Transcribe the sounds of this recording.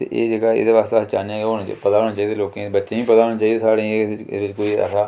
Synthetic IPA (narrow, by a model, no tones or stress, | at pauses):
t̪ḛːʔeːd͡ʒeːɡaːɪ̰d̪eːʋaːst̪east͡ʃaːnjãːɡeonãt͡ʃːpət̪aːɦoːñaːt͡ʃaːiːd̪eːloːkẽebətːʃẽːĩːpət̪aːɦoːnãːt͡ʃaːiːd̪eːsaːɽḛʋɪt͡ʃkoːiə̰saː